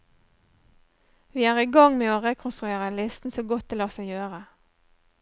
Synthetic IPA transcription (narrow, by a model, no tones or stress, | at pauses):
ʋiːæːʁiːɡɑŋmeːoːʁeːkʰʊnst̪ʁʉeːʁəlɪst̪n̩soːɡɔt̪̚d̪eːlɑːsæɪjøːʁə